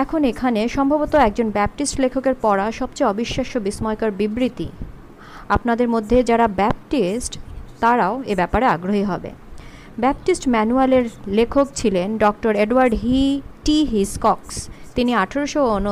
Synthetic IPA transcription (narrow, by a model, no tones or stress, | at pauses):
ɛkʰonekʰaneʃɔmbʱabot̪oɛk̚d͡ʑonbɛp̚ʈisʈlekʰokeɾpɔɾaʃɔbt͡ɕejɔbiʃːaʃobismɔjkaɾbibɾit̪ḭ | apnad̪eɾmod̪ʱːed͡ʑaɾabɛp̚ʈisʈt̪aɾaoebɛpaɾeaɡɾoɦiɦɔbḛ | bɛp̚ʈisʈmɛnualeɾlekʰokt͡ɕʰilenɖɔk̚ʈoɾeɖuwaɾɖɦiʈiɦiskɔkst̪iniaʈʰeɾoʃoono